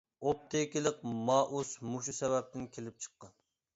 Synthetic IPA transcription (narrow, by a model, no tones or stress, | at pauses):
op̚t̪ʰekʲilɪq̚mɑːʔusmuʃ̬usɛvɛp̚t̪ʰɪnkʲʰelɪp̚t͡ʃʰə̥qːɑn